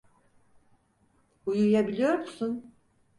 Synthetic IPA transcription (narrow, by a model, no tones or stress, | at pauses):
ujujabilʲijo̞ɾmusun